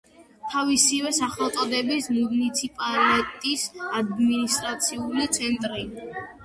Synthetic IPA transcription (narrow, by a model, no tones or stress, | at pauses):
t̪ʰavisivɛsaχɛlˠt̪sʼɔd̪ɛbismunit̪sʰipʼalɛt̪ʼisad̪minist̪ʼɾat̪sʰiulit̪sʰɛnt̪ʼɾi